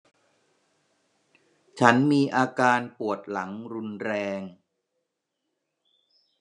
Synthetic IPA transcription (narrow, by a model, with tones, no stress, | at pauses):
t͡ɕʰa˦˥nmiː˧ʔaː˧kaː˧npu˨˩ət̪̚la˩˦ŋɾu˧nɾɛː˧ŋ